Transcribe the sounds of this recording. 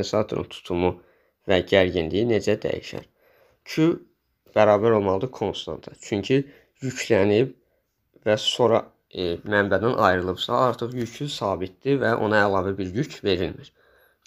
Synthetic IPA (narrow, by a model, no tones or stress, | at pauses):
esɑt̪ʰoɾṵnt̪ʰu̥t̪ʰumu | væɟæɾɟinlijine̞d͡ʒæd̪æ̰jḭʃæ̰ɾ | cʰy | b̥æɾɑːbæɾo̞lˠmɑlˠɯd̪ɯkʰo̞nst̪ɑ̰nt̪ʰɑt͡ʃʰyɲcʰi | jycʰlænib | væso̞ɾɑ | mæmbæd̪ænʔɑjɾɯlˠɯbsɑɑɾt̪ʰɯχjycʰysɑːbit̪̚d̪̥ivæʔo̞̰nɑælˠɑːvæbiɾjycʰve̞ɾilmiɾ̥